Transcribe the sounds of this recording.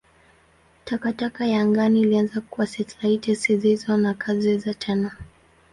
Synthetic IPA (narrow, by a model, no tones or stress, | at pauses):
takatakajaŋɡaniːlianzakuwasɛtlaitɛsizizɔnakʰazɛzatʰɛna